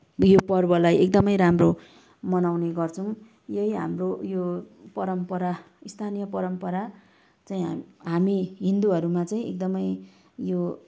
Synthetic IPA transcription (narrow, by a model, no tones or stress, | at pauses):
jopʌrbʌlajek̚d̪ʌmʌjɾamro | mʌnawneɡʌrt͡sʰʌw̃ | jʌjɦa̰mrojo | pʌɾʌmpʌɾa | ist̪ʰanijʌpʌɾʌmpʌɾa | t͡saĩɦamiɦind̪uʌɾumat͡saĩḛk̚d̪ʌmʌj | jo